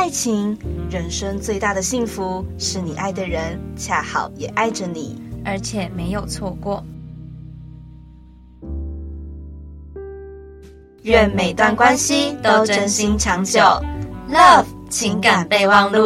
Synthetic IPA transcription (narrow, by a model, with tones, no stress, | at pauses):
a˥˩ɪt͡ɕʰi˧˥ŋɻə˨˩nʂə˥ŋt͡swe˥˧ɪt̪a˥˩d̪ə˩ɕi˥˩ŋfu˧˥ʂɻ̩˥˩ni˨˩ʔa˥˩ɪd̪ə˩ɻə˧˥nt͡ɕʰja˥˩xɑ̰˨˩˦ʊjɛ˨˩ʔa˥˩ɪʈ͡ʂə˩ni˨˩˦ə˞˧˥t͡ɕʰjɛ˨˩me˧˥ɪjo˨˩ʊt͡sʰwɔ˥˧kwɔ˥˩ | ɥɛ˥˩nme˨˩ɪt̪wa˥˧nkwa˦˥nɕi˨t̪o˥ʊʈ͡ʂə˥nɕi˧˥ŋʈ͡ʂʰɑ˧˥ŋt͡ɕjo˨˩˦ʊlɐ˥˧vt͡ɕʰi˧˥ŋka˨˩npe˥˧ɪwɑ˥˧ŋlu˥˨